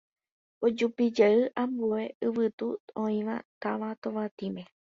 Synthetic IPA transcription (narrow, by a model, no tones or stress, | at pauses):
od͡ʒupid͡ʒaɨʔãmbue̞ɨʋɨt̪uõĩʋa̰t̪aʋat̪oʋat̪ĩmẽ̞